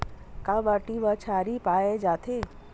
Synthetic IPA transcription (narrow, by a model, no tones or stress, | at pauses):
kabaʈiʋət͡ʃʰaːɾipaːjed͡ʒaːt̪ʰe